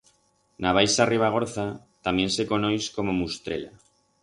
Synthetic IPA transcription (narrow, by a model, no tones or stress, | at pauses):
naβ̞ajsariβ̞aɣ̞oɾθa | t̪amje̞nse̞konojsko̞momust̪ɾḛla